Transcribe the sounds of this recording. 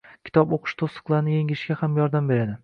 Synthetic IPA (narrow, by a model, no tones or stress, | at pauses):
kkʲʰɪ̥t̪ʰɒboqʰɨ̥ʃt̪ʰosɨ̥qlˠaɾɪnɪjeŋɪɪʃɡʲahamjɒɾd̪ambe̞ɾad̪ɪ